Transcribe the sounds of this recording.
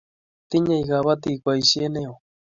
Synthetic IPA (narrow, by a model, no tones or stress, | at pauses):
t̪ɪɲajɡaβat̪ikʷajsienew